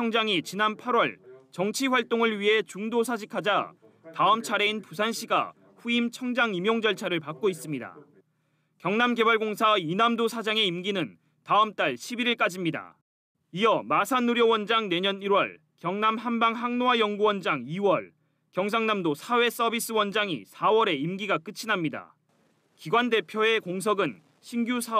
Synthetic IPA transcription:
ʌŋd͡ʑaŋit͡ɕinanpʰaɾwʌɭt͡ɕʌŋt͡ɕʰiɸwaɭt͈oŋɯɭɥiɦe̞t͡ɕuŋdosʰad͡ʑikʰad͡ʑa | taɯmt͡ɕʰaɾe̞inpusʰanɕʰiɡa̰ | ɸuimt͡ɕʰʌŋd͡ʑaŋimjoŋd͡ʑʌɭt͡ɕʰaɾɯɭpak̚k͈ois͈ɯmɲida̰ | kjʌŋnamɡe̞baɭɡoŋsʰainamdosʰad͡ʑaŋe̞imɡinɯn | taɯmt͈aɭɕʰibiɾiɭk͈ad͡ʑimɲida̰ | ijʌmasʰanuɾjʌwʌnd͡ʑaŋne̞ɲʌniɾwʌ̰ɭ | kjʌŋnamhanbaŋɦaŋnoajʌŋɡuwʌnd͡ʑaŋiwʌɭ | kjʌŋs̬ʰaŋnamdosʰawe̞s͈ʌbis͈ɯwʌnd͡ʑaŋḭsʰawʌɾe̞imɡiɡak͈ɯt͡ɕʰinamɲida̰ | kiɡwande̞pʰjoe̞koŋs̬ʰʌɡɯn | ɕʰinɡjusʰa

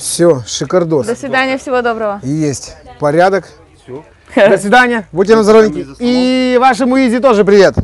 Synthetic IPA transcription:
fsʲoʂɨkɐrd̪od̪əsʲvʲɪd̪anʲɪjəfsʲɪvod̪o̞bɾəvəjesʲtʲpɐɾʲad̪ək | d̪əsʲvʲɪd̪anʲɪjəbut̬ʲːenəzɐɾovʲnʲɪkʲɪivaʂ̬ɨmʊizʲɪt̪̬o̞ʐɨp̬ɾʲɪvʲe̞t̪

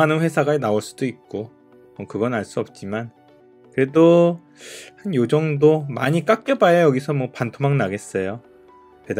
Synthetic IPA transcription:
anɯnɸwe̞sʰaɡanaoɭs͈ud̥oik̚k͈o | mʌkɯɡʌnaɭs͈uʌp̚t͡ɕ͈iman | kɯɾe̞do | hanjod͡ʑʌŋdomaɲik͈ak̚k͈jʌbajʌjʌɡisʰʌmwʌpantʰomaŋnaɡe̞s͈ʌjo | ted

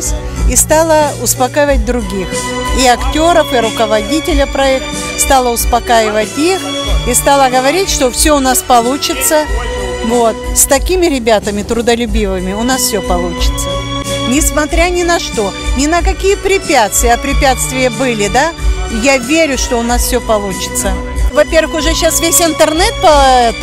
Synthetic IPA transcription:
sʲ | ist̪alˠəʊspɐkajɪvət̚ʲd̪ɾʊɡʲix | iɐktʲo̞ɾəfɪɾʊkəvɐdʲitʲɪlʲəpɾɐɛk̚t̪ə | st̪alˠəʊspɐkajɪvətʲix | ist̪alˠəɡəvɐɾʲitʲʂt̪o̞fsʲɵʊnaspɐlˠut͡ɕɪt̪sə | vo̞t̪st̪ɐkʲimʲɪɾʲɪbʲat̪əmʲɪt̪ɾʊd̪əlʲʉbʲivɨmʲɪʊnasfʲsʲɵpɐlˠut͡ɕɪ̥t̪sənʲɪsmɐt̪ɾʲanʲɪnɐʂt̪o̞nʲɪnəkɐkʲijəpɾʲɪpʲæt̪st̪vʲɪjɐpɾʲɪpʲat̪st̪vʲɪjəbɨlʲɪd̪ajavʲeɾʲʊʂt̪o̞ʊnasfsʲɵpɐlˠut͡ɕɪ̥t̪sə | vɐpʲe̞rvɨxʊʐɛɕasvʲesʲɪnt̪ərnɛt̪̚pəɛt̪

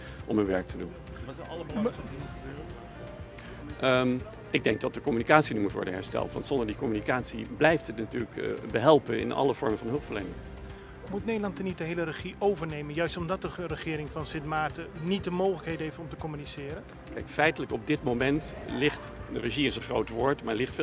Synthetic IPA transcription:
ʔɔmɦənʋɛɹk̚tədun | ɑləbndinχəbøːrə | ʔ | ʔɪɡ̚dɛŋɡ̚dɑt̚dəkɔmynikaːtsinymutʋɔ̰ɹdənɦɛ̰ɹstɛ̰lˠtʋɑ̰ntsɔndəɹdikɔmynikaːtsḭblɛjftətnatyːɹləkbəɦɛlˠpənɪ̰nɑ̰ləvɔɹmənvɑnɦɵlˠpfəɹlḛjnɪ̰ŋ | mutnejdəlɑntdənit̚dəɦejlərəχiʔowvəɹnejmənjœɥstɔmdɑt̚dərəχɪːɾɪŋfɑnsɪtmaːɹtənit̚dəmowχələkejdəɦejftɔmtəkɔmynisɪːɾən | kɛjkfɛjtələkɔb̚dɪtmowmɛntlɪχt | dərəʒiɪsənχrowtʋoːɹtmaːlɪχtː

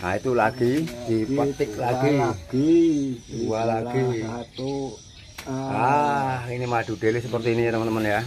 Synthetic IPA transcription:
ait̪ulaɡ̥id̥ipat̪ɪklaɡi̥ | uwalaɡ̥i | ahinimaɖ̪̥ṳɖ̪̥elisəpərt̪iːnit̪əmənt̪əmənja

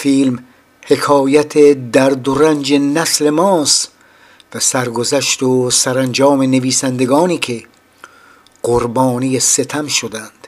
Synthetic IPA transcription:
fiːlm | he̞kʰɒːjæt̪ʰed̪æɾd̪oɾænd͡ʒenæsle̞mɒːst̪ | væsæɾɡozæʃt̪osæɾænd͡ʒɒːme̞ne̞viːsænd̪e̞ɡɒːniːkʰe̞ | ɢ̥oɾbɒːnijese̞t̪ʰæmʃod̪ænd̪̥

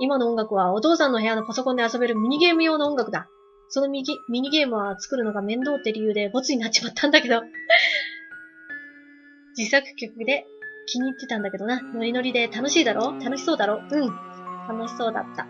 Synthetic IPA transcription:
imano̞oŋɡakɯ̟β̞ao̞t̪o̞ːsãnːo̞ɦe̞jano̞paso̞kond̪easo̞be̞ɾɯ̟mʲiɲ̟iɡe̞ːmɯ̟jo̞ːnaoŋɡakɯ̟d̪a | so̞nomʲimʲiɲ̟iɡe̞ːmɯ̟βat͡sɨ̥kɯ̟ɾɯ̟no̞ɡamẽ̞nd̪o̞ːt̪ːe̞ɾʲijɯ̟ːd̪e̞bo̞t͡sɨɲ̟inatt͡ɕːt͡ɕi̥mat̪ʰːãnd̪ake̞d̪o̞ | d͡ʑisakɯ̟̥kʲo̞kɯ̟d̪e̞ | kʲiɲ̟iːt̪ːe̞t̪ãnd̪ake̞d̪o̞nano̞ɾʲino̞ɾʲid̪e̞t̪ano̞ɕiːd̪aɾʔo̞ːt̪ano̞ɕi̥so̞ːd̪aɾo̞ːɯ̟̃ɴt̪ano̞ɕi̥so̞ːd̪a̰t̪ːa

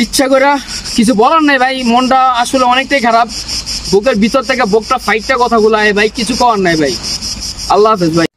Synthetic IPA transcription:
itːɕʰʃʰakojɾakit͡ɕʰubɔlanːajbʱajmɔnʈaaʃuleɔnek̚ʈajkʰaɾab̚bokeɾbʱit̪ɔɾt̪ʰekebok̚ʈafʰajʈʈakɔt̪ʰaɡulaebʱajkit͡ɕʰukɔwanːajbʱaj | alːafezbʱaj

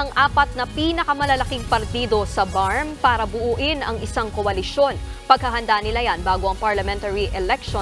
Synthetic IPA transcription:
ɐŋʔaːpɐt̪̚nɐpiːnɐkɐmɐlɐlɐkɪŋpɐɾt̪iːd̪o̞sɐbaɹmpaːɾɐbʊʔuːʔɪnʔɐŋʔɪsaŋkoʔɐlɪʃo̞npɐɡ̚hɐɦɐnd̪anɪlajanbaːɡoʔɐŋpɐɹlɐmɛnt̪ɐɹiʔɛlɛk̚ʃo

